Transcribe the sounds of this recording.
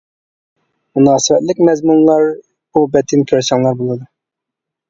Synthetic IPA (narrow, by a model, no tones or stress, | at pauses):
munɑːsɨvɛt̪lɪkʲmɛzmunlˠɑɾ | bubɛt̪ʰɪnkʲʰøɾsɑŋlˠɑɾbolˠɨd̪u